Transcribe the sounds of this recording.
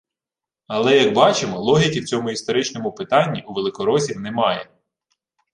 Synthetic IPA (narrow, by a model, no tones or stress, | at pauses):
ɐlˠɛjɐkbɑt͡ʃɪmɔlˠɔɦʲikʲiwt͡sʲɔmʊist̪ɔɾɪt͡ʃnɔmʊpɪt̪ɑnʲːiuʋelˠɪkɔɾɔsʲiwnɛmɑjɛ̰